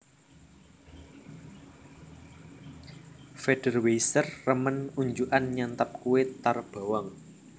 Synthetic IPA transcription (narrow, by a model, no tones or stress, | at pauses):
feɖ̥ə̤rwesərːəmənuɲd͡ʒuʔanɲant̪əp̚kuwet̪arb̥a̤wɔŋ